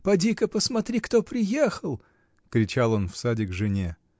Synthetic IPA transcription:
pɐdʲikəpəsmɐt̪ɾʲikt̪opɾʲɪjexəlˠ | kɾʲɪt͡ɕalˠo̞nfsadʲɪɡʐɨnʲe

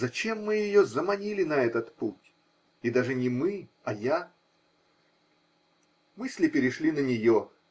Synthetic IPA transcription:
zɐt͡ɕe̞mːɨjɪjozəmɐnʲilʲɪnɐɛt̪ət̪putʲ | ɪd̪aʐɨnʲɪmɨ | ɐja | mɨsʲlʲɪpʲɪɾʲɪʂlʲinənʲɪjo

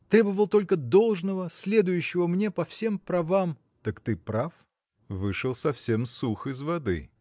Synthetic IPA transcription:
t̪ɾʲe̞bəvəlˠt̪o̞lʲkəd̪olˠʐnəvəsʲlʲe̞d̪ʊjʉɕːɪvəmnʲe̞pɐfsʲe̞mpɾɐvam | t̪əkt̪ɨpɾaf | vɨʂɨlˠsɐfsʲe̞msuxɨzvɐd̪ɨ̰

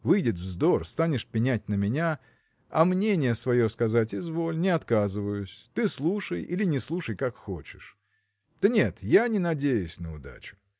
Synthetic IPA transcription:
vɨjdʲɪt̪vzd̪o̞rst̪anʲɪʂpʲɪnʲæt̚ʲnəmʲɪnʲa | ɐ̰mnʲenʲɪjəsvɐjo̞skɐzatʲɪzvo̞lʲnʲɪɐt̪kazɨvəjʊsʲt̪ɨslˠuʂəjilʲɪnʲɪslˠuʂəjkakxot͡ɕɪ̥ʂ | d̪̥ənʲe̞t̪janʲɪnɐdʲejʊsʲnəʊd̪a̰t͡ɕʊ̥

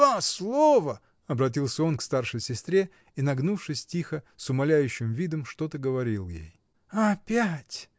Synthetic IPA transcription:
aslˠovə | ɐbɾɐt̬ʲilˠsʲəo̞nkst̪arʂəjsʲɪst̪ɾʲe | inɐɡnufʂɨsʲtʲixəsʊmɐlʲæjʉɕːɪmvʲid̪əmʂt̪o̞t̪əɡəvɐɾʲilˠjḛj | ɐpʲætʲ

